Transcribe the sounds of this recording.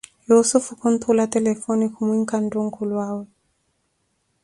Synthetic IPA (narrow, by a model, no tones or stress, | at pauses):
jusufukunt̪ʰulatɛlɛfɔnikumwiŋkanduŋ̩kulwawɛ